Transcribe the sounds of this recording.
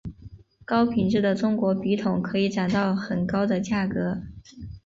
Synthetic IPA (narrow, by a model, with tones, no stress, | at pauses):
kɑ˥ʊpʰi˨˩nʈ͡ʂɻ̩˥˩d̪ə˩ʈ͡ʂʊ˥ŋkwɔ˧˥pi˧˥t̪ʰʊ˨˩˦ŋkʰɤ˧˥i˧˥ʈ͡ʂa˨˩nt̪ɑ˥˩ʊxə˨˩nkɑ˥ʊd̪ə˨t͡ɕja˥˩kɤ˧˥